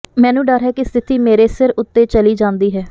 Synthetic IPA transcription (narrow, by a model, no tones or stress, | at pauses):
mɛ̃ːnũːɖəɾɦɛːkɪst̪ʰɪt̪iːmeːɾeːsɪɾʊt̪ːeːt͡ʃəliːd͡ʒãːnd̪iːɦɛː